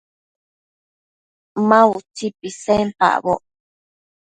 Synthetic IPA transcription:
mãut͡ʃipisẽmpa̰ʔβoʔ

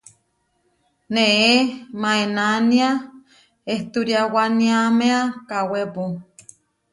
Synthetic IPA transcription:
neemaenania | eht̪uɾjawaniameakawepu

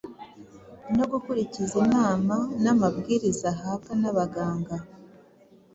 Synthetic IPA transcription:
no̞ɡukuɾicizinaːmanamab̚ɡiːɾizaɦakanaβaɡaːŋɡa

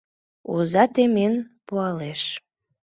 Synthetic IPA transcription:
uzɑt̪emenpuɑleʃ

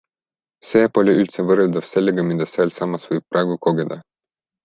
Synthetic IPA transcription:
se̞ːpolʲoylt̪sevɤreld̪ɑv̥se̞lːeɡɑmid̪̥ɑseelsɑmːɑsvɤjb̥̚pːrʔɑeɡuko̞ɡed̪̥ɑ

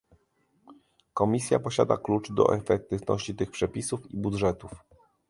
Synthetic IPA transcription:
kɔmʲisʲja̰pɔɕa̰d̪a̰klut͡ʂd̪ɔ̰ʔɛfɛk̚t̪ɘvnɔ̰ɕt͡ɕit̪ɘxpʂɛpʲisufibud̪ʐɛt̪uf

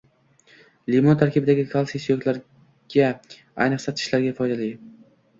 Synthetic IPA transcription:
limont̪ʰaɾkʲɪbɪd̪aɡʲɪkʰalˠsisijokʲlaɾ | ɡʲa | a̰jnɨqsat̪ʰɪ̥ʃlaɾɡʲafɒjd̪ali

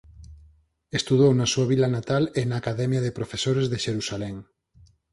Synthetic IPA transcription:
est̪uðownasuaβilanat̪alenaːkaðɛmjaðepɾofesoɾezðeʃeɾusalɛŋ

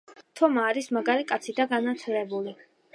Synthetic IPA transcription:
t̪ʰɔmaːɾismaɡaɾikʼat̪sʰid̪aɡanat̪sʰɾɛbuli

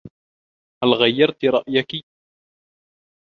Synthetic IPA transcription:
halɣajːɑɾˤt̪ɾˤɑʔjaki

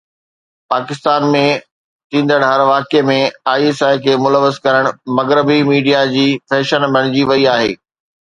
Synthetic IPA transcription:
paːkɪst̪aːnmẽ | t̪ĩːnd̪əɽɦɐɾʋaːkemẽaːisaːjkʰeːmʊləʋːəzkɐɾəɽ̃mɐɣɾɪbimiːɖijad͡ʑiːfɛːʃənbʱɐɽ̃ɪd͡ʑiʋɐiaːɦḛː

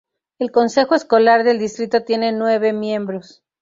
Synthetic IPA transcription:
e̞lko̞nse̞xo̞esko̞laɾðe̞ld̪ist̪ɾit̪o̞t̪je̞ne̞nwe̞βe̞mje̞mbɾo̞s

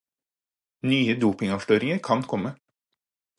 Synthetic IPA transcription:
nyːəd̪uːpɪŋɑːʋʃʈøːɾɪŋəɾkʰɑnkʰɔmːə

